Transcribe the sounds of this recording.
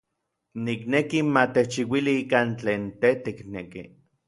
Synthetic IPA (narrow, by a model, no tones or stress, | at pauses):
niknekimat̪et͡ʃiwiliikant͡ɬeːnt̪et̪iknekḭ